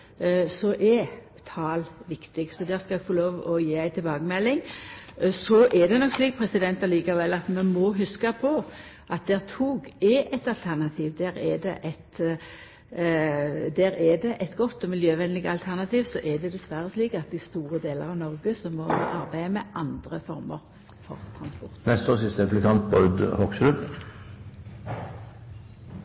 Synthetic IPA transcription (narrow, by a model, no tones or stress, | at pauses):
sɔʔɛ | t̪ʰɑːlʋɪkt̪ɪɡsɔd̪æːʁskɑɛɡfɔloːʋɔjiːæɪt̪ʰɪlbɑːɡəmɛlːɪŋ | sɔʔɛd̪ɛnɔksliːk̚pʰɾɛsɪd̪ɛnt̪ɑliːkɑʋɛlːɑt̪mɛmɔɦʉskɑpʰɔ | ʔɑt̪̚d̪ɛːʁt̪ʰuːɡɛʔɛɪt̪ɑlt̪ʰæʁnɑt̪ʰiːʋd̪æːɾɛd̪ɛ̰ʔɛt̪ | d̪æːɾɛd̪ɛʔɛɪt̪ɡɔt̪ːɔmɪljøːʋɛnlɪɡəɑlt̪ʰæʁnɑt̪ʰiːʋsɔʔɛd̪ɛd̪ɛsʋæʁəsliːkɑt̪̚d̪ɪst̪uːʁəd̪eːləʁɑʋnɔʁɡəsɔmːɔhɑ̰ʔɑʁbæɪəmɛʔɑnd̪ʁəfɔʁməʁ | fɔ̰ʁt̪ʰɾɑnspɔʁt̪nɛst̪oːsɪst̪əɛplɪkʰɑnt̪̚bɔʏd̪hɔkslʉ